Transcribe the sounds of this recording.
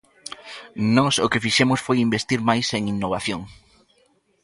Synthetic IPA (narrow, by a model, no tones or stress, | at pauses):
nɔso̰kɪfiʃɛmʊsfojimbest̪iɾmajseŋinːoβ̞aθjoŋ